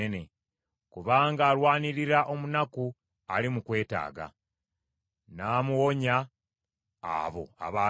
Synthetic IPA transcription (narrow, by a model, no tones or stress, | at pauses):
ene̞ | kuβaːŋɡaːlwaːniɾiɾaʔo̞munaku | a̰limukwe̞ːta̰ːɡa̰ | naːmuwoɲaː | βo̞̰a̰βaː